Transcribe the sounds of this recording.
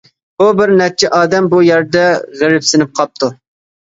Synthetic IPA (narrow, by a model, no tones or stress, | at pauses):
bubɪɾnɛt͡ʃʰɛʔɑːd̪ɛmbujɛɾd̪ɛʁəɾɪpsɪnɪp̚qʰɑp̚t̪ʰu